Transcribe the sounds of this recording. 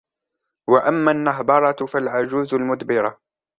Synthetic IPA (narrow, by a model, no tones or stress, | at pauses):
waʔamːanːaɦbɑɾˤɑt̪falʕad͡ʒuːzʊlmʊd̪bɪɾa